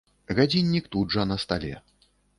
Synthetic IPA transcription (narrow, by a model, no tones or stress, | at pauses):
ɣad͡zʲinʲːikt̪udʐɐnɐst̪alʲɛ̰